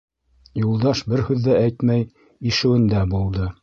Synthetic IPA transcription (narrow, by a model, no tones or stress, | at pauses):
julˠd̪ɑʃbɘɾhʉðːææjt̪mæj | iʃɘ̆wɘ̆nd̪æbulˠd̪ɤ